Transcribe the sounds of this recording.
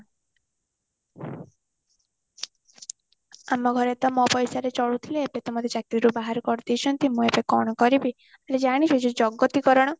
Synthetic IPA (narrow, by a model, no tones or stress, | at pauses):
amɔɡʱɔɾet̪ɔmɔpɔjsaɾet͡ʃɔɭut̪ʰileepet̪ɔmɔd̪et͡ʃak̚t̪iiɾubaɦaɾɔkɔɾt̪it͡ʃʰɔnt̪imũepekɔɽ̃ɔkɔɾibi | aled͡ʒaɽ̃iset͡ʃʰud͡ʒɔɡɔt̪ikɔɾɔɽ̃ɔ